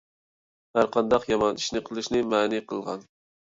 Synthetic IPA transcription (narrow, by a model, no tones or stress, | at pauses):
hæɾqʰɑnd̪ɑqjɑmɑni̥ʃnɨqʰəlˠɨʃnɨmɛːniqʰəlˠʁɑ̰n